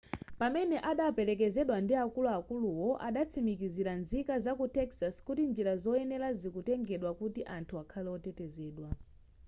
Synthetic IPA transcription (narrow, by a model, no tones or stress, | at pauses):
pamɛnɛʔaɗapɛlɛk̬ɛzɛɗwandiakuluakuluwɔʔaɗat͡sʰimikiziɾanzikazakutɛksaskutind͡ʒiɾazɔɛnɛlazikutɛŋɡɛɗwakutiʔantʰuakʰalɛɔtɛtɛzɛːɗwa